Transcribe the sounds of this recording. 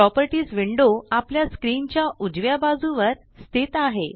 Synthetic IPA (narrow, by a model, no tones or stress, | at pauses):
ɾɔpəɾʈiːsʋiɳɖoapljaskɾint͡ɕjaʔud͡zʋjabad͡zuʋəɾ | st̪ʰit̪aɦe